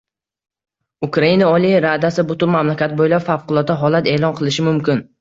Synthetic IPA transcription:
ʊkɾainaɒlˠiɾad̪asɪbʊt̪ʊnmamlakʲat̪̚bojlapfawqʊlˠɒt̪ːaɦɒlat̪e̞ːlˠɒnqʰɨlˠɪʃɪmʊmkʲɪn

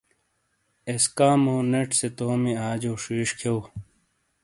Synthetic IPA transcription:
eskaːmoːneʈset̪oːmiaːd͡ʑoːʂiːʂkʰew

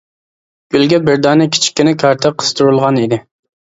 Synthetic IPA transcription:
ɡ̥ʲylɡʲɛbɪɾd̪ɑːnɪkʲʰi̥t͡ʃʰi̥kʲːynɪkʰɑɾt̪ʰɨqʰə̥st̪ʰuɾulˠʁɑnid̪ɪ

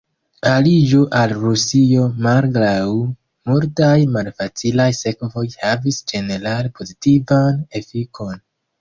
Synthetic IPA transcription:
alid͡ʒoʔalɾusio̞malɡɾaw | multajmalfat͡silajse̞kvo̞jhavisd͡ʒe̞ne̞ɾalpʰo̞zitivane̞fiko̞n

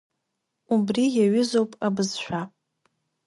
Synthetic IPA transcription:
ubrijaɥʏzo̞wpʼabɨzʃʷᶣa

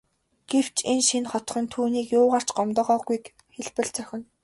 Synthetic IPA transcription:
ɡ̥ew̥t͡ɕenʃinχɔt̪̆χʲĭnt̪ʰuːniːkjʊːʁaːr̥t͡ɕɢɔmt̪ɔ̆ːʁɔːɣujk | xeɮpɘ̆ɬt͡sœxʲɪ̆n

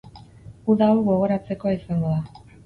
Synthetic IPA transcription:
uðawɣo̞ɣ̞o̞ɾat͡se̞koaisaŋɡo̞ða

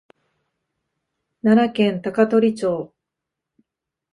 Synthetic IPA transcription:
nanakẽ̞nt̪akat̪o̞ɾʲit͡ɕoː

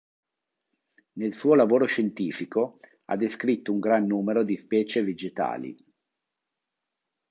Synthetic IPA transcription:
nelsuːolavoːɾoʃent̪iːfiko | a̰d̪ːeskɾit̪ːouŋɡɾanːuːmeɾod̪ispɛːt͡ʃeved͡ʒet̪a̰ːlḭ

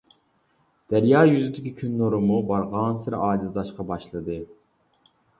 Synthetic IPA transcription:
d̪̥æɾjɑːjyzɪd̪ɪkʲikʲʰynːoɾɨmubɑɾʁɑnsɪɾɑːd͡ʒɨzd̪ɑʃqɑbɑʃlˠɨd̪ɨ

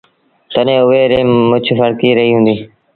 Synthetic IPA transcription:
t̪ənẽːʊʋeːɾeːmːʊt͡ʃʰfəɽkiːɾəɦiːɦũːnd̪iː

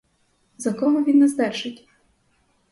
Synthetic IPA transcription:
zɐkɔɦɔʋʲinːɛzd̪ɛrʒɪtʲ

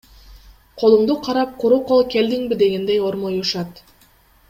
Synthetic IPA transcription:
qʰo̞lˠuɴd̪uqʰɑɾɑp̚qʰuɾuqo̞lˠkʲe̞ld̪iŋbid̪e̞ɡe̞nd̪ejo̞ɾmojuʃɑt̪

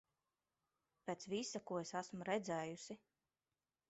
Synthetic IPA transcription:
pʲɛːt̪svisakuɔesasmɾɛd̪zɛːjusi

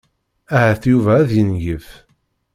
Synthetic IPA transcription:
æhæθjuvæːðjənjəf

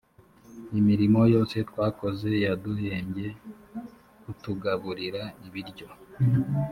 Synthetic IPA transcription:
imiɾimo̞jo̞ːse̞twaːko̞ze̞jaduhe̞ːɲɟe̞ | kutuɡaβuɾiɾaiβiɾɟo̞

